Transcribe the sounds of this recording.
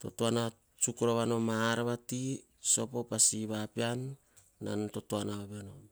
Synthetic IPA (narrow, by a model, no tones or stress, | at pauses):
totoana | t͡ʃukuɾaβano̞maːɾaβati | so̞po̞pasiβapianː | a̰nto̞toanaβaβano̞